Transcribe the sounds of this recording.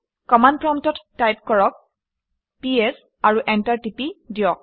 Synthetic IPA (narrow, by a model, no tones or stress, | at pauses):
kɔmandpɹɔntɔtːajp̚kɔɹɔk̚ | piɛs | aɹuʔɛntaɹtipidijɔk̚